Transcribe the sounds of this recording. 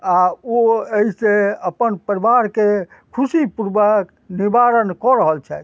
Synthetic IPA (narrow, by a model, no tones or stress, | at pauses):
aoeiseəpənpəɾibaɾke | kʰusipuɾbək | nibaɾənkɔɾəɦəlt͡ʃʰɛt̪